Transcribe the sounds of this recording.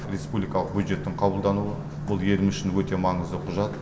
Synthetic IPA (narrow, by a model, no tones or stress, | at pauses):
rʲe̞spublikɑlˠəq̚bʲjud̪ʒe̞t̪ːɪɴqʰɑbəlˠd̪ɑnuwə | bʊlˠje̞lɪmʏʃɪnwɵt̪e̞mɑɴəzd̪əqʰʊʒɑt̪